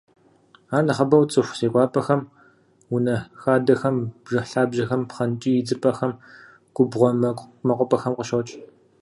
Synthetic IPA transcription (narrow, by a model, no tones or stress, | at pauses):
aːnɐχɐbɐwt͡sʼɨxʷseːkʷʼɑːpʼɐxɐm | wʊnɐxaːdɐxɐmbʒɐɬaːbʒɐxɐmpχɐnt͡ʃʼiːɪd͡zɨpʼɐxɐm | ɡ̥ʷʼʊbʁʷɔmɐkʷʼmɐqʷʼʊpʼɐxɐmqəʃowt͡ʃʼ